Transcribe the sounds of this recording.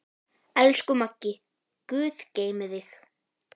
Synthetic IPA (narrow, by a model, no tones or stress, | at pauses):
ɛlskʏmacːɪ | kʏːθceːjmɪðɪx